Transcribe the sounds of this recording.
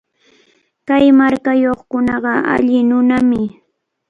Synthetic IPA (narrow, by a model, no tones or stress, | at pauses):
kajmaɾkajoχkʊnɑɢɑʔa̰ʎɪnʊnamɪ